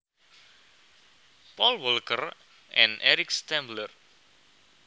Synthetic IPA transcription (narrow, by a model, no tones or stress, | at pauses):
pɔlwəlkər | ɛ̃nɛɾikst̪ɛ̃mblər